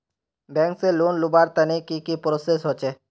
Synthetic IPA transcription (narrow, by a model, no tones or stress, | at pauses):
bɛ̃ːŋkseloːnlʊbaːɾt̪ənekikipɾoːsesɦot͡ʃeː